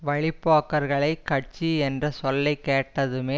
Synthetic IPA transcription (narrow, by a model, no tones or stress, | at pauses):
ʋɐɻɪpːaːkːɐɾɣɐɭɐɪkːɐʈ̚t͡ʃiɛndrɐsɔlːɐɪkːeːʈːɐðɯmeː